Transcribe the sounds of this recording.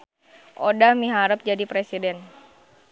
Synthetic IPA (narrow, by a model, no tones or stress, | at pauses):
ʔodahmiɦaɾəp̚d͡ʒadipɾesidɛn